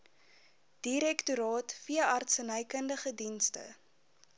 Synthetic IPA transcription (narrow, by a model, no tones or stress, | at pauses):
d̥iɾɛktuɾɑːtfiəɐrtsənəjkəndəχədinstə̰